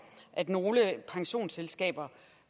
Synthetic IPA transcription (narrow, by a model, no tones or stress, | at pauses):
ʔæd̥no̝ːləpʰɑ̈ŋɕo̝̰ːnselsɡ̥ɛ̰ːb̥ɐ